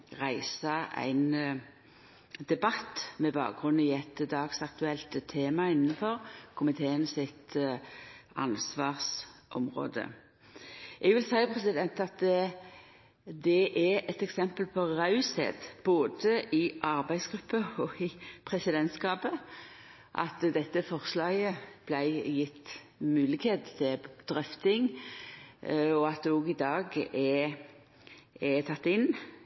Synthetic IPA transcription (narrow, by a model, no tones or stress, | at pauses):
ʁæɪsɑæ̰ɪn | d̪ɛbɑt̪ːmɛbɑ̰ːk̚ɡʁʉnːɪɛt̪d̪ɑːɡsɑkt̪ʉɛlt̪t̪ʰːeːmɑɪnːnəfɔʁkʰʊmɪt̪ʰeːənsɪt̪ | ɑ̰nsʋɑːʁsʔɔmʁo̰ːd̪ə̰ | ʔɛɡʋɪlsæɪpʰʁɛsɪd̪ɛnt̪ɑt̪ | d̪ɛʔɛɛt̪ɛksɛmpəlpʰɔʁɑʉsḛd̪b̥oːd̪əʔɪʔɑʁbæɪsɡʁʉpːəɔɪpʰʁɛsɪd̪ɛnt̪skɑːpə | ʔɑ̰t̪d̪ɛt̪ːəfɔʁslɑːɡəb̥læɪjɪt̪ː | mʉːlɪɡheːt̪t̪ʰːɪd̪̥ɾœft̪ɪŋ | ɔɑt̪̚d̪ɛɔːɡɪd̪ɑːɡɛ | ɛt̪ʰɑt̪ːɪn